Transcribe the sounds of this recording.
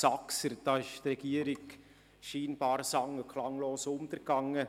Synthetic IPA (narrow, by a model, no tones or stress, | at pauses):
sɑksəɾd̥ɑːɪʃt̪rɛɡ̥iəɾɪk | ʃiːnb̥ɑːɾsɑŋəkʰlɑŋloːsʊnt̪əɾɡɑŋːə